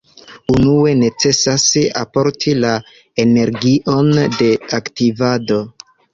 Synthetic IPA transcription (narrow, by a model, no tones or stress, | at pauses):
unue̞ne̞t͡se̞sasa̰po̞ɾtʰila | ene̞ɾɡiʔo̞nde̞aktivado̞